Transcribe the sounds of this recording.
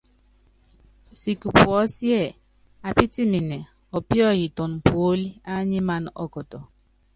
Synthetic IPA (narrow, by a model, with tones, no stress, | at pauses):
si˨ku˨pwɔ˦sjɛ˦˨ | a˨pi˦ti˦mi˨nɛ˨ | ɔ˨pjɔ˦˨ji˨tɔ˨n˨po˨˦li˦a˦ɲi˦ma˦nɔ̰˦kɔ˨tɔ˨